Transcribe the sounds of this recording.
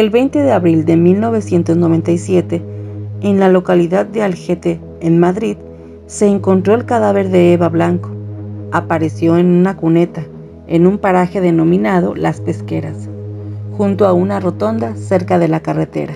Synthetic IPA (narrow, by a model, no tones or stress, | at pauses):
e̞lβe̞jnt̪e̞ðe̞aβɾild̪e̞milno̞β̞e̞sje̞nt̪o̞zno̞βe̞nt̪ajsje̞t̪e̞enlalo̞kaliðaðːealxet̪eː | nmaðɾið | se̞ːŋko̞nt̪ɾo̞elkaðaβe̞ɾðe̞eβaβlaŋko̞̥apaɾe̞sjo̞enunakune̞t̪a | enumpaɾaxe̞ðe̞no̞mĩnaðo̞̰laspe̞ske̞ɾas | xunt̪oaunaro̞t̪o̞nd̪ase̞ɾkaðe̞lakare̞t̪e̞̰ɾa